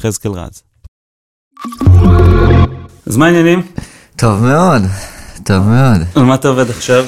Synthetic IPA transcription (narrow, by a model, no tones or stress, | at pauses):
χezkelʁa̰z | azmainjanim | tʰo̞vme̞odto̞vmeod̪lmat̪aoved̪aχʃav